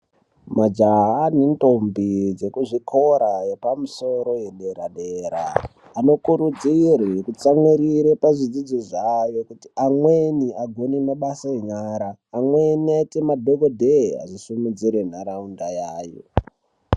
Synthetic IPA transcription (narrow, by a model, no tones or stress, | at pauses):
mad͡ʒaɦanento̞mbid͡ze̞kuʐikʰo̞ɾaje̞pamuso̞ɾo̞jeɗeɾaɗeɾa̰ː | no̞kuɾud͡zirekut͡samwiɾiɾepaʐid͡zid͡ziʐajo̞kutiamweniʔaɡʱo̞nimaɓasaeɲaːɾaːmweniatemadʱoɡodʱea̰ʐisumud͡ziɾen̤aɾaundajaːjo̰